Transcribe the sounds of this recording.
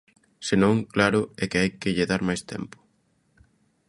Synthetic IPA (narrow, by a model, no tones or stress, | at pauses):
senõŋklaɾʊɛkɪajkɪʎɪðaɾmajst̪ɛ̰mpʊ̥